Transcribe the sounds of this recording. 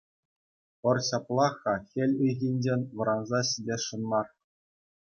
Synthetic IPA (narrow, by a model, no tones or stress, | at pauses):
pɤ̆rɕɑplˠɑχɑxʲĕlʲiɣʲinʲd͡ʑenʲʋɤ̆ɾɑnzɑɕidʲeʂɤ̆nmɑr